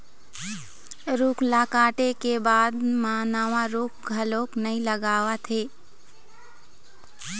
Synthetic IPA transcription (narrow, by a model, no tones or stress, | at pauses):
ɾuːkʰlaːkaːʈekebaːd̪maːnaːʋãɾuːkʰɡʱəloːknəĩləɡaːʋat̪ʰeː